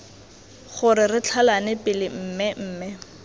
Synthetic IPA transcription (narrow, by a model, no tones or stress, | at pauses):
χʊɾɪrɪt͡ɬʰalanɪpʼɪlɪm̩ːmɪm̩ːmɪ